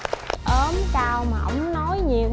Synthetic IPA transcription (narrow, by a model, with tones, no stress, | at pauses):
ʔəː˨˦mkaː˧wmaː˨˩ʔə̰˧˥wŋ͡mnɔ˨˦jɲi˨˩əw